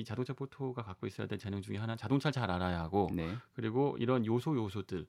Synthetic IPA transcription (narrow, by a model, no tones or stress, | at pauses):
it͡ɕadoŋt͡ɕʰaɭpʰotʰoɡakak͈̚ois͈ʌja̰dent͡ɕenɯŋd͡ʑuŋiɦanat͡ɕadoŋt͡ɕʰaɭt͡ɕaɾaɾajaɦaɡonekɯɾiɡoʔḭɾʌnjosʰojosʰodɯɭ